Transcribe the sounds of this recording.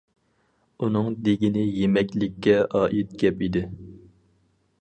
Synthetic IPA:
unɨŋd̪eɡʲinɪjemɛkʲlɪkʲːɛʔɑːʔit̪̚ɡʲɛpid̪ɪ

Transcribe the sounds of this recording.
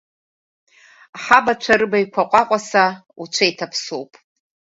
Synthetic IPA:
ħabat͡ʃʷʰaɾɨbajkʷʰaqʷʼaqʷʼasa | ut͡ʃʷʰajtʰapʰsowpʼ

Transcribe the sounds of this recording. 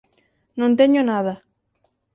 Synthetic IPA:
nõnt̪eɲonaða

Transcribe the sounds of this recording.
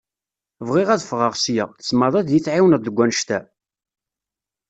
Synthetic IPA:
vʁɪʁæðfʁɑʁsjaʁθə̥smɑðˤæðjit͡sːʕiwnæd̪əɡʷːænʃt̪æ

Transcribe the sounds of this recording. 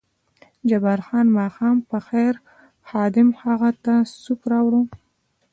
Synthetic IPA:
d͡ʒabaɾxɑnmɑxɑmpəxajɾ | xɑd̪ɪmhaɣat̪asupɾɑwɽu

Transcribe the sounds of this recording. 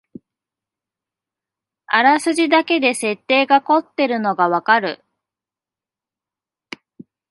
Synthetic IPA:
aɾasɨʑid̪ake̞d̪e̞se̞t̪ːe̞ːɡako̞t̪ːe̞ɾɯ̟no̞ɡaβakaɾɯ̟̰

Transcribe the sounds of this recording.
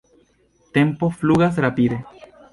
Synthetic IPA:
t̪empofluɣas̬ɾapiðe

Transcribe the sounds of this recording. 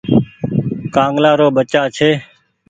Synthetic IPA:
kãːŋɡlaːɾoːɓət͡ʃaːt͡ʃʰeː

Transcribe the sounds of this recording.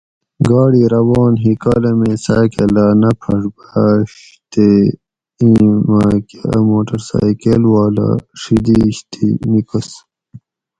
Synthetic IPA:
ɡɑːɽiːɾɐwɑːnɦikaːlemesaːkelaːnɐpʰɐʂbaɕ | t̪e | ĩmaːkemoːʈɐɾsa̰ːkelwaːla̰ʂid̪iɕt̪ʰḭnikəs

